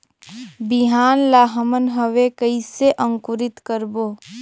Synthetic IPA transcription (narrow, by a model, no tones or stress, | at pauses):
biɦaːnlaːɦəmənɦəʋekəiseʔə̃ŋkʊɾɪt̪kəɾboː